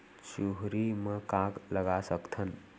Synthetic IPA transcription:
t͡ʃuɦɾimẽkãɡləɡasəkt̪ʰən

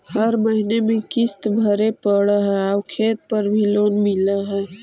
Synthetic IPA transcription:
həɾməɦinemẽkɪst̪bʱəɾepəɽəɦɛaʊkʰeːt̪̚pəɾbʱiloːnmɪləɦɛː

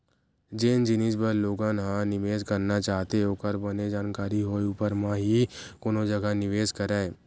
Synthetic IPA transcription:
d͡ʒend͡ʒɪnid͡ʒbəɾloːɡãnɦãnɪʋeːd͡ʒkəɾnat͡ʃaːɦt̪eokəɾbəned͡ʒaːnkaːɾiɦoːiuːpəɾmãɦikoːnõd͡ʒɐɡanɪʋeːd͡ʒkəɾɛː

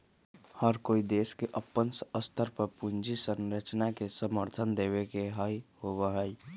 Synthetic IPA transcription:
həɾkoːid̪eːskeʔəpːənsəst̪ʰəɾpəɾpund͡ʒisənɾət͡ʃnakesəməɾt̪ʰənd̪eːwekeɦəihobəɦəi

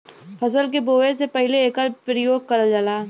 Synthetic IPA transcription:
fʰɐsəlk̬eboːʋes̬epəɦɪleːkəɾpɾəjoːɡ̚kɐɾəld͡ʒalaː

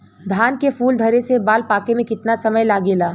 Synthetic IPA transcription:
d̪ʱaːnkefuːld̪ʱɐɾesebaːlpaːkemẽkɪt̪nasɐməjlaːɡeːlaː

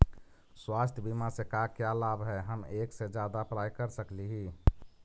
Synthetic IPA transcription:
swast̪ʰəbimasekakjalabɦɛɦəmeksed͡ʒjad̪apɾajkəɾsəkliɦi

